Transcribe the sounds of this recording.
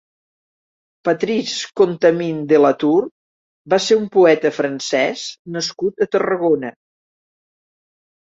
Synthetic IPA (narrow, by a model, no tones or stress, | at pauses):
pət̪ɾiskont̪əmind̪ələt̪ur | baseɾumpuɛt̪əfɾənsɛsnəskut̪ət̪ərəɣonə